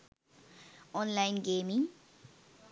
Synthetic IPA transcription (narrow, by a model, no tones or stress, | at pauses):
ɔnlajnɡemiŋ